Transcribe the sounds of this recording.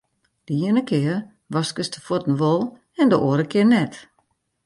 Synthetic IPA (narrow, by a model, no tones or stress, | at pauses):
d̥əiənəkʰɪər | ʋɔskəstʰə̥fotn̩ʋolˠ | ɛndəʔoəɾəkʰɪərnɛt